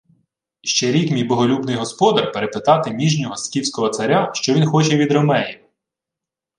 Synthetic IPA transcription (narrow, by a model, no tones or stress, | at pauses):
ʃt͡ʃɛɾʲikmʲijbɔɦɔlʲubnɪjɦɔspɔd̪ɐrpeɾepɪt̪ɑt̪ɪmʲiʒnʲɔɦɔskʲiwsʲkɔɦɔt̪sɐɾʲaʃt͡ʃɔʋʲinxɔt͡ʃɛʋʲid̪ɾɔmɛji